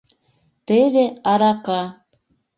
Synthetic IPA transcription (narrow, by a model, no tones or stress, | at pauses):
t̪eβeɑɾɑkɑ